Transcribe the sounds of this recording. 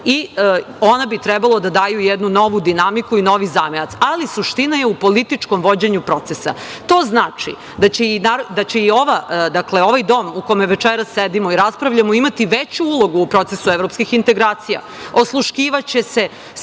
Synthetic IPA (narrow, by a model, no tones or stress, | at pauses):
i | onabit̪ɾɛbalˠod̪ad̪aːjujɛd̪nuno̞ʋud̪inamikuino̞ʋizaːmenat̪salisuʃt̪inajeupolit̪it͡ʂko̞mʋo̞d͡ʑeɲupɾo̞t̪sesa̰t̪o̞ːznaːt͡ʂḭ | d̪at͡ɕeinaːɾd̪at͡ɕeio̞ʋad̪akle̞o̞ʋajd̪o̞mukomeʋet͡ʂeɾasːed̪imoiɾaspɾaʋʎamoimat̪iʋet͡ɕuulˠo̞ɡuːpɾo̞t̪esuevɾopskixint̪e̞ɡɾaːt̪sija̰ | oslˠuʃkiːʋat͡ɕese